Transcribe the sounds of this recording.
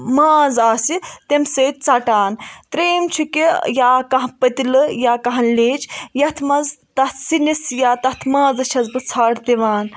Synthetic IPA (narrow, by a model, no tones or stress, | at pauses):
maːzaːsit̪emseːt̪̚ʲt͡saʈaːnt̪ɾeːmt͡ʃʰukejaːkɐɦpɐt̪ilɨjaːkɐɦɐnleːd͡ʒjɐt̪ʰmɐzt̪ɐt̪ʰsinisjaːt̪ɐt̪ʰmaːzɐʃʰɐzbɨt͡sʰaːɽt̪eʋaːn